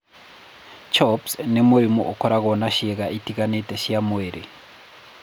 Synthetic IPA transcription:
t͡ʃɔpsnemuɾimṵʔokɔɾaɣɔnaʃeɣaʔitiɣanetɛʃjamweɾʔe

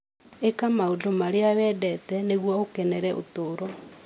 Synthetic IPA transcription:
ekamaodomaɾeaβɛdɛtɛneɣwɔokɛnɛɾɛʔo̰toːɾɔ

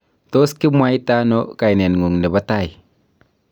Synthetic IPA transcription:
t̪oskimwajt̪anoʔkajnɛnŋuŋdəbat̪aj

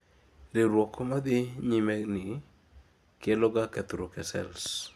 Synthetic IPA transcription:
ɾɪɾwɔkomad̪ɪɲimɛnɪ | kelɔɡakɛt̪uɾokɛsɛ̰ls

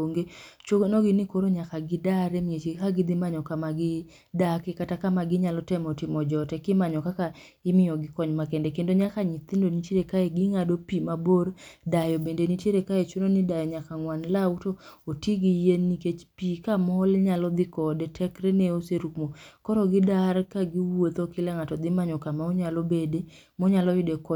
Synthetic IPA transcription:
oŋɡet͡ʃoɡnɔɡɪnɪkoɾoɲakaɡɪdaɾɛmiet͡ʃekaɡɪd̪ɪmaɲɔkamaɡɪ | dakɪkatakamaɡɪɲalɔtɛmɔtɪmɔd͡ʒɔtɛkɪmaɲɔkaka | ɪmɪjɔɡɪkɔɲmakɛndɛkendoɲakaɲit̪indonit͡ʃeɾekaeɡɪŋadopimaboɾdajɔbendenit͡ʃjeɾekaet͡ʃunonɪdajɔɲakaŋwanlautootiɡijenːiket͡ʃpikamɔlɲalɔd̪ɪkɔdɛtʰɛkɾɛneoseɾukmokɔɾɔɡɪdarkaɡiwot̪okɪlaŋatɔd̪ɪmaɲɔkamaoɲalobede | mɔɲalɔjɪdekɔ

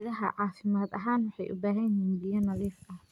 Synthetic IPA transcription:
ðɐɦɐ̰ʕɑːfɪmaːd̪ɐɦaːnwʊħɑjʔʊ̰baːɦɐjɦiːnbɪjɐnɐliːfɐ

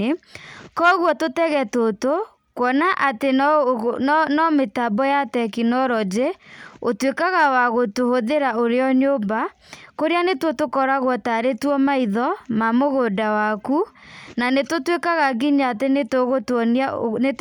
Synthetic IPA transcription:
ekɔɣwɔtotɛɣɛtoto | kwɔnaʔate | nɔmetabɔjatɛkinɔɾɔd͡ʒeotwekaɣawaɣotohoðeɾaoɾeɔɲombakoɾeanetwotokɔɾaɣwɔtaɾetwɔmaiðɔmamoɣodawakunanetotwekaɣaɡiɲaːtenetoɣotɔnanet

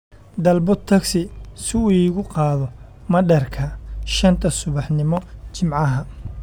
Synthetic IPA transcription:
d̪ɐlbʊt̪ʰːɐksɪsɪuːiːɣʊqɑːðɔ | mɐɖɐrkʰɐʃɐnt̪ʰɐsʊβɑħnɪmɔt͡ʃɪmʕɑɦɐ

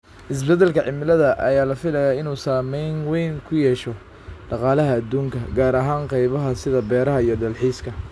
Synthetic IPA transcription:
ʔɪs̬bɛd̪ɐlkʰɐʕɪmɪlɐðɐʔɐjaːlɐfɪlɐjaːɪnuːsaːmɛjnwɛjŋkʰʊjɛːʃɔ | ɖɑqɑːlɐɦɐːd̪uːŋkʰɐɡaːɾɐɦaːnqɑjβɐɦɐsɪðɐbɛːɾɐɦɐijɞdɐlħiːskʰɐ

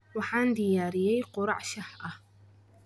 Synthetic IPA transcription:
waħand̪ijaːɾɪjajqʊɾɑ̰ʕʃaħʔa

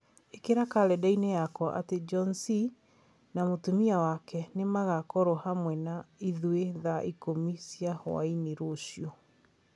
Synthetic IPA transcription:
ekeɾakalɛdainejakɔʔa̰ted͡ʒɔnsi | namotumiawakɛnemaɣakɔɾɔhamwɛnaiðweðaʔikomisjahɔ̰a̰iniɾoɕiɔ

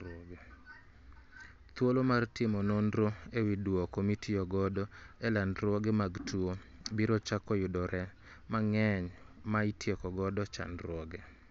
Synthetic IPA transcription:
ɔɡe | t̪wolomartɪmɔnondɾoewidwɔkomitʰijɔɡɔdɔɛlandɾwɔɡɛmaɡtuo | biɾɔt͡ʃakɔjʊdɔɾɛ | maŋɛɲ | maitjekɔɡɔdɔt͡ʃa̰nɾwɔɡɛ

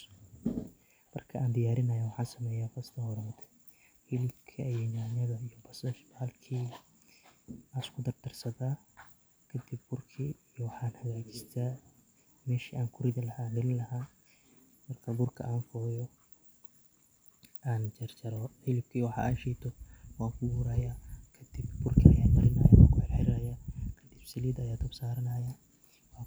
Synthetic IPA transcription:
mɐ̰rkʰɐʔaːnd̪ɪjaːɾɪnɐjawɑħɑːnsɐmɛːjaːfɐst̪ʰɐhɔɾɐmd̪ | hɪlɪb̚kʰɐjɛnaːnɐðɐijɔbɐsɐʃbaːlkʰiː | aɪskʰʊd̪ɐrd̪ʰɐrsɐðaː | kʰɐd̪ɪb̚bʊrkʰiːijɔwɑħɑːnhɐɣaːt͡ʃɪ̥st̪ʰa | mɛːʃiːʔaːŋkʰʊɾɪðɐlɐhaːɖɪllɐɦaː | mɐrkʰɐbʊrkʰɐ̰ʔaːnfɔːjɔ | ʔaːnt͡ʃɐrt͡ʃɐɾɔħɪlɪb̚kʰiːwɑħɑ̰ʔaːʃit̪ʰɔwaːŋkʰʊbuːɾɐjakʰɐd̪̥ɪbbʊrkʰiɐja̰ːmɐɾɪnɐːja̰ːwa̰ːŋkʰʊħɪlħɪɾɐjakʰɐd̪ɪb̥sɪliːd̪ɐjaːt̪ʰɐbsaːɾɐnɐːja | w

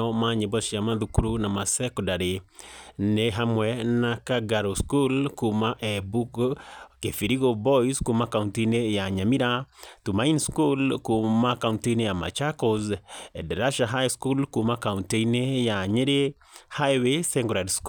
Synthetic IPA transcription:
ɔmaɲebɔsjamaðukuɾunamasɛkɔdaɾe | neɦamwɛnakaɡaɾoskulkumaʔɛbukkefiɾiɣobɔiskumakauntinejaɲamiɾatumainskulkumakaunteinejama̰t͡ʃakɔzɛdɛɾaʃaɦajskulkumakaunteinejaɲeɾe | hajwesɛŋɡɔɾadsk

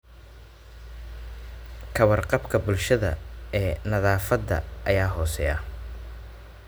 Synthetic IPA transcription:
kʰɐwɐrqɑbkʰɐbʊlʃɐðɐ̰ɛːnɐðaːfɐd̪ːɐ̰ʔːjaːɦɔːsɛjɐ̰

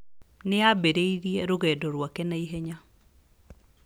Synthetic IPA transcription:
nɪabeɾeiɾjeɾoɣɛdɔɾwakɛnaiɦeɲa

